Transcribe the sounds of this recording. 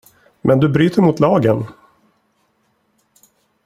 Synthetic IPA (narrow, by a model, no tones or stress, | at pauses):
mʔɛnd̪ɵbɾyːt̪əɾmʊt̪lɑːɡən